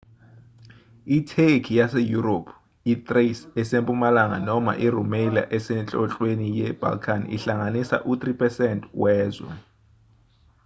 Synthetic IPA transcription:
itʰekʰijasejuropʰ | it̪ʼresɛsempʼumalaŋa̰nɔma̰ʔirumela̰ʔɛsɛnt͡ɬʼɔɬʼwenijɛb̥ʱa̰lkʰanḭɬaŋanisa̰ʔut̪ripʰɛsɛntʼwɛːzwɛ̰

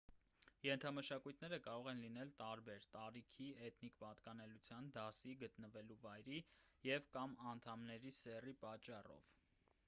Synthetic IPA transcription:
jɛnt̪ʰɑməʃɑkujt̪ʰnɛɾəkɑɾɔʁɛnlinɛlt̪ɑɾbɛɾt̪ɑɾikʰiɛt̪ʰnikpɑt̪kɑnɛlut͡sʰjɑnd̪ɑsiɡət̪nəvɛluvɑjɾijɛvkɑmɑnt̪ʰɑmnɛɾisɛripɑt͡ʃːɑrɔ̰v̥

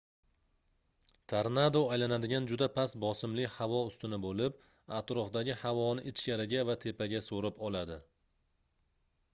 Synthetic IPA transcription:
t̪ʰaɾnad̪oajlanad̪ɪɡʲand͡ʒʊd̪apʰasbɒsɪmlɪhavɒʊst̪ɪnɪbolɪp̚ | at̪ɾɒfd̪aɡʲɪhavɒnɪʔɪt͡ʃkʲaɾɪɡʲavat̪ʰe̞paɡʲasoɾɪpɒlad̪ɪ

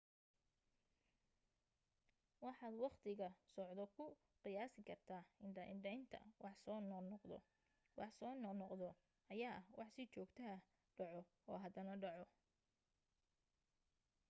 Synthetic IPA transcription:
wɑħɑːd̪wɑqt̪ʰɪɣɐsɔʕd̪ɔkʰʊ | qɪjaːsɪkʰɐrt̪ʰaːɪnɖɐɪɖɛjnt̪ʰɐ̰wɑħsɔːnnɔqd̪ɔ̰ | wʔɑħsɔːnɔnɔqd̪ɔ | ɐjaːʔɐhwɑħsɪt͡ʃɔːɡt̪ʰɐɐ | ɖɑʕɔ | ɔːɦɐd̪ɐnɐɖɑʕɔ

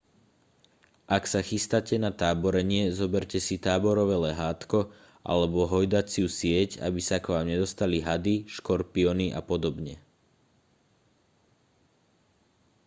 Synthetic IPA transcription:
ʔaksaxist̪acɛnat̪aːbɔɾɛɲɪɛzɔbɛɾcɛsit̪aːbɔɾɔʋɛlɛɦaːt̪kɔ | ʔa̰lɛbɔɦɔjd̪at͡siusɪɛca̰bisakʋaːmɲɛd̪ɔst̪aliɦad̪iʃkɔɾpiɔniʔa̰pɔd̪ɔbɲɛ

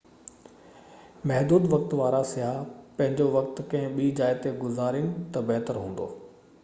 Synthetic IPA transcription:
mɛɦd̪uːd̪ʋɐk̚t̪ʋaːɾasɪjɦaːpɐ̃ɦɪ̃ɲd͡ʑoʋɐk̚t̪kɐ̃ɦɪ̃ɓiːd͡ʑaːɪt̪eɡʊzaːɾiñɪ̆t̪ɐbɛɦt̪əɾɦũːn̆d̪o̰ː

